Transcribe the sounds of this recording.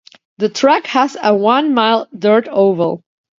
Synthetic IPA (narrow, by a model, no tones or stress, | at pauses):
ðɨtʰɹ̥ækhəzəwʌ̃nmaɪlˠdɜ˞ɾoʊvə˞